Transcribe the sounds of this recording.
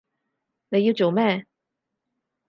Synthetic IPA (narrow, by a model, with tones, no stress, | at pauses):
ne˧ji˧wt͡so˨˩wmɛː˥˨